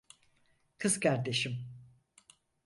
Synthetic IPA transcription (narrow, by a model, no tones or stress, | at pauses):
kʰɯzkʰaɾd̪e̞ʃim